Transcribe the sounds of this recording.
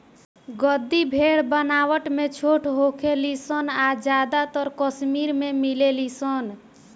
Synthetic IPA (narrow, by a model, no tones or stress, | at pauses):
ɡəd̪ibʱeɽbənawəʈmet͡ʃʰoʈʰɦokʰelisənad͡ʒad̪at̪əɾkəsmiɾmemilelisən